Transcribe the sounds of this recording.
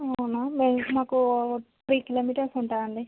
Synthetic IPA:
ɐɐwnameːmaːkupɾiːkiloːmiːʈɐɾsuɳʈaːɐɳɖi

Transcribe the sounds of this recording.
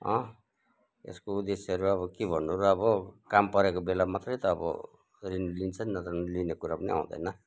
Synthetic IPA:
ʌ̰̃ | ḛskoud̪eseɦʌɾuʌβʌkebʱʌnːuoɾuʌbʌkampʌɾekobelamat̪rʌjt̪ʌːbʌ̰ | rinlint͡sʰʌnnʌt̪linekuɾapʌnia̰ũd̪ʌ̰jnʌ

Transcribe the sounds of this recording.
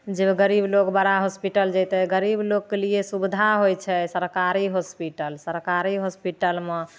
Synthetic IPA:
d͡ʒeɡəɾiblokbaɾaɦospiʈəld͡ʒɛt̪ɛɡəɾiblokːeliesubd̪ʱaɦojt͡ʃʰɛsəɾkaɾiɦospiʈəlsəɾkaɾiɦospiʈəlme

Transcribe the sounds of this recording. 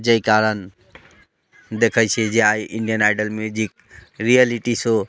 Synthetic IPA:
d͡ʒəikaɾən | d̪ekʰəjt͡ʃʰid͡ʒeajʔiɳɖijənaɪɖəlmjud͡ʒik̚ | ɾijəliʈiso

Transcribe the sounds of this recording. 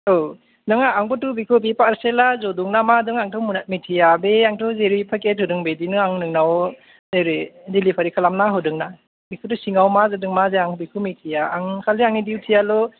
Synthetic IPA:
o | nɯŋaːŋbɔtubikʰɯbipaɾselazɔduŋnamadɯŋaŋtʰɔwmunat̚mitʰijabeaŋtʰɔwzeɾipʰakethɯdɯŋbedinɯaŋnɯŋnaw | zeɾidilipʰaɾikʰalamnaɦɯdɯŋna | bikʰut̬usiŋawmazɯdɯŋmazeaŋbikʰumitʰijaːŋkʰaliaŋnidiwtʰijalɔ

